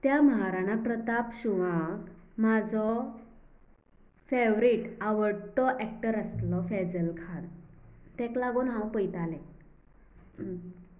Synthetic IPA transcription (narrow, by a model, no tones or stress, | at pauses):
t̪jaməɦaɾanapɾət̪apɕuʋãkmad͡zɔ | feʋɾiːʈaʋəɽʈɔʔɛkʈəɾəst̪lɔfɛd͡zəlkʰant̪ɛ̃klaɡuːnɦãwpəjt̪alɛ̃